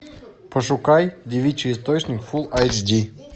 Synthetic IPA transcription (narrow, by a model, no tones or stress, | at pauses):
pəʂʊkajdʲɪvʲit͡ɕɨɪs̬t̪ot͡ɕnʲɪkfulˠajt͡ʃdʲi